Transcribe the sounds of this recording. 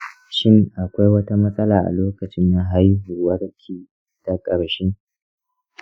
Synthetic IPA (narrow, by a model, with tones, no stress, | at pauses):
ʃɪ˦ŋʔa˨kʷa˦jwɐ˦ta˦mɐ˦sʼɐ˦laː˨ʔa̰˨loː˦kɐ˨t͡ʃɪ˦nːa˨ɦa˦jɦʊ˨wɐ˦ɽkʲʰiː˨ | ta˨kʼɐ˨ɽʃe˦